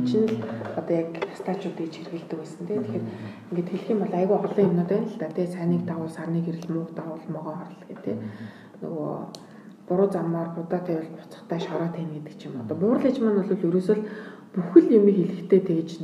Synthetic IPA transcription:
t͡ɕʰɪ̆nɘ̆ɮɔt̪ɔjak̪̚ʰḁst̪ʰaːt͡ɕʊːt̪ɡet͡ɕxerɣɘ̆ɮt̪ɘ̆kwæːsə̆nt̪ʰeːt̪ʰexeːr | iŋɡet̪xeɮ̆xiːmpɔɮæːɣʊːχɔɮiːŋemnʊːt̪æːnɬt̪aːt̪ʰeːsæːniːk̚t̪aʁʊːɮsarniːkeɾɘ̆ɮmʊːqt̪aʁʊːɮmɔʁɔːχɔɾə̆ɮɡet̪ʰeː | nɵ̰ɣo̰ | pʊɾʊːt͡samɔːrpʊt̪aːt̪ʰæːʊɮpʊ̥t͡sɞ̥̆χt̪ʰæːʃɔɾɔːt̪ʰæːnet̪ɘ̥̆kt͡ɕʰɪ̆mɔt̪ɔːpʊrə̆ɮet͡ɕmanʊɮʊ̆ːɮɵɾuːsŏɮ | puxɘ̆ɮjemiːkeɮɘ̆kt̪ʰeːt̪ʰeːt͡ɕ̪

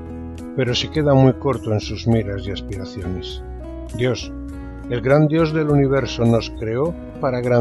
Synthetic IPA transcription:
pe̞ɾo̞seke̞ð̞amwujko̞ɾt̪oensuzmiɾazjaspiɾaθjones | d̪jo̞s | elɡɾand̪jo̞zðe̞luniβ̞e̞ɾsono̞skɾe̞o | paɾaɣɾa

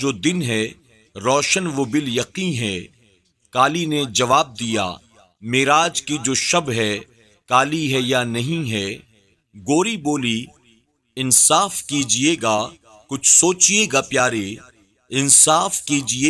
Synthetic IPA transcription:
d͡ʒoːd̪ɪnɦɛ | ɾɔːʃənʋobɪljɐqiɦɛ | kaːlined͡ʒɐʋaːb̚d̪ija̰ː | meːɾaːd͡ʒkid͡ʒoːʃɐbɦɛ | kaːliɦɛjanɐɦĩɦɛ | ɡoːɾiboːli | ɪnsaːfkiːd͡ʒieːɡa | kʊt͡ʃʰsoːt͡ʃieːɡapjaːɾe | ɪnsaːfkiːd͡ʒie

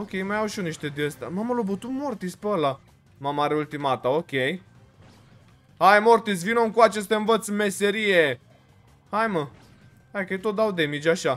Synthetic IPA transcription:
okʲe̞jmajawʃuniʃt̪ed̪eəst̪a̰maməlobət̪ut̪mort̪ispeəla | mamaɾeult̪imat̪ao̞kʲe̞j | ajmort̪is̬vinomkuat͡ʃest̪eɨnvət̪sme̞se̞ɾije | hajmə | ajkəjt̪ot̪̚d̪awd̪e̞mit͡ʃʲaʃa

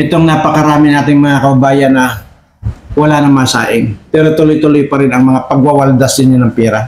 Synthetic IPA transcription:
ʔɛt̪oŋnapɐkɐɾaːmɪnaːt̪ɪŋmɐŋakɐbɐbaːjɐnːɐ | wɐlanɐmaːsa̰ːʔɪŋpɛːɾot̪ʊlojt̪ʊlojpɐɾɪnɐŋmɐŋapɐɡ̚wawɐld̪asɪɲonɐŋpɛːɾɐ

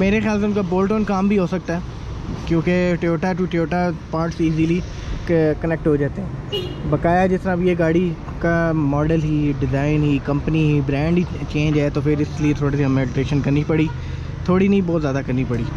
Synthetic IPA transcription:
meːɾexɪjaːls̬eʊnkaboːlʈoːnkaːmbʱiɦosɐk̚t̪aɦɛ | kjũːkeʈɪjoːʈaʈuʈɪoːʈapaːɾʈsiːziːli | kkɐnɛk̚ʈɦoːd͡ʒaːt̪eɦɛ̃ːbɐkaːjad͡ʒɪst̪ɾãbʱieɡaːɽi | kamɔːɖəlɦiːɖɪzaːɪnɦiːkɐ̃mpəniɦiːbɾɛ̃ːɳɖit͡ʃẽːɲd͡ʒaːet̪oːfʰɪɾɪsliet̪ʰoːɽisiɐmeːɖɪʈeːʃənkɐɾnipɐɽi | t̪ʰoːɽinɐĩbɔːt̪zjaːd̪akɐɾnipɐɽiː

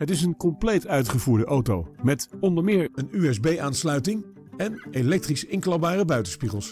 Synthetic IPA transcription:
ɦətɪs̬ənkɔmplejtœɥtχəvuːɹdəʔowtowmɛtɔndəɹmɪːɹənyɛzbejaːnslœɥtɪŋ | ɛnelɛk̚trisɪŋklɑbaːrəbœɥtəspiχəlˠs

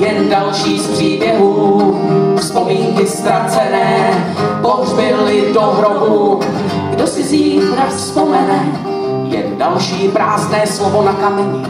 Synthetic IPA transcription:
jɛndalʃiːspr̝̥iːbjɛɦuː | fspomiːŋkɪst̪ɾat͡sɛnɛːpozzbɪlɪdoɦɾoɦu | ɡdosɪziːxɾasspomɛnɛ | jɛndalʃiːpɾaːznɛːslovonakamɛɲɪ

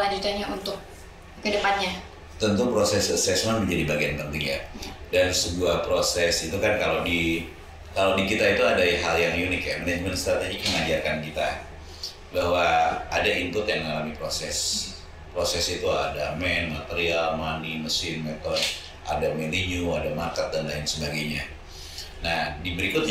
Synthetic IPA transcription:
laɲd͡ʒut̪anɲaunt̪ʊk̚ | kədəpanɲa | t̪ənt̪upɾosɛsəsɛsmanməɲd͡ʒadibaɡiant̪ənt̪iŋjadansəbuahpɾosɛsit̪ukankalowdi | kalowdikit̪ait̪uadaɦaljaŋjunɪkjamanɛd͡ʒmənt̪st̪ɾat̪eɡik̚ɲaŋad͡ʒarkankit̪a | bahwaːdaimpʊt̪jaŋməŋalamipɾosɛs | pɾosɛsit̪ua̰damɛnmat̪eɾialmaniməsɪnmɛt̪ɔn | a̰damɛliɲuadamarkət̪̚danlaɪnsəbaɡajɲa | nahdibəɾikʊt̪̚

